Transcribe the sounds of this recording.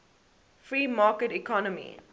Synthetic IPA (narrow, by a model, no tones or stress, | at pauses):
fɹiːmɑːkəʈikʰɔnəmḭ